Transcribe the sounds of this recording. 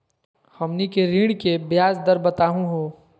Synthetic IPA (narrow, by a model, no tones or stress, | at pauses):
hɐmnikeɾĩːɽkebjaːzd̪əɾbət̪aːɦũɦoː